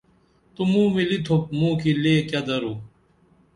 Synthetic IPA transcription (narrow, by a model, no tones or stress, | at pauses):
t̪umũːmilit̪ʰop̚mũːkileːkɐd̪ɐɾuː